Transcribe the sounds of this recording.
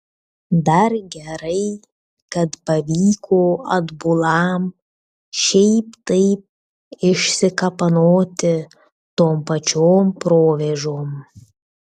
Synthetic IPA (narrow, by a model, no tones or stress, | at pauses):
d̪ɐɾɡʲɛɾɐɪ | kɐt̪pɐʋʲiːkʰoːɐd̪bʊlˠɐm | ʃʲɛɪpt̪ɐɪp̚ | ɪʃʲsʲɪkɐpɐnoːt̪ʲɪ | t̪oːmpɐt͡ʃʲoːmpɾoːʋʲɛʒoːm